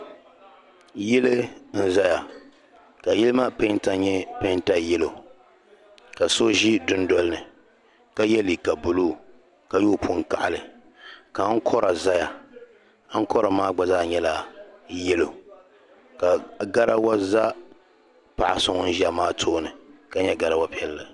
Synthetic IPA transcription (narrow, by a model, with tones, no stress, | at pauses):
jɪ˦lɨ˦n̩˦za˦ja˨ | ka˨jɛ˦lɨ˦maː˦pe˦n˦ta˦ɲɛ˦pe˦n˦ta˦jɛ˦lo˨ | ka˨so˦ʒi˦dʊ˦n˦dɔ˦lɨ˦nɨ˨ | ka˦jɛ˦liː˨ka˨bʊ˨luː˦˨ | ka˨joː˦˨pʰʊ˦ŋ˨ka̰˨ʔa̰˨lɨ˨ | ka˨˦n̩˦kʰɔ˦ɾa˨za˦ja˨˦ | ŋ̩˦kɔ˦ɾa˨maː˦ɡ͡ba˨zaː˦ɲɛ˦la˨jɛ˦lo˨ | ka˨ɡa˦ɾa˦wa˦za˦ | pa˨ʔa˨sʊ˦ŋ˦n̩˦ʒi˦a˨maː˦tʰoː˦nɨ˨ka˦ɲɛ˦ɡa˨ɾa˦wa˦pi˦ɛ˦lːɨ˨